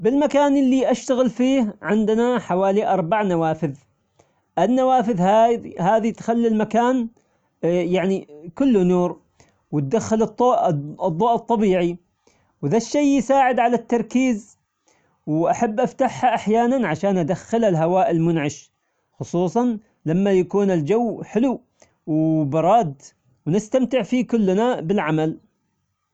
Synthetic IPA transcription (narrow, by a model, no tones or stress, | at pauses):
bɪlmakaːnʔɪlːiʔaʃt̪aɣɪlfiːhʕɪnd̪naħawaːliʔɑɾˤbaʕnawaːfɪð | ʔɪnːawaːfɪðhahaːðit̪xalːilmakaːn | jaʕnikʊlːʊnuːɾ | wɪt̪̚d̪axːɪlɨt̪ˤːoːʔdðˤːoːʔɨt̪ˤːɑbiːʕi | wðaʃːejjɪsaːʕɪd̪ʕalat̪ːɑɾˤkiːz | wʔaħabːʔaft̪aħhaʔaħjaːnanʕaʃaːnʔad̪axːɪlalɦawaːʔɪlmʊnʕɪʃ | xʊsˤuːsˤɑn | lamːajakuːnɪld͡ʒawːħɪlu | wbɑɾˤɑːd̪ | wnɪst̪amt̪ɪʕfikʊlːnabɪlʕamal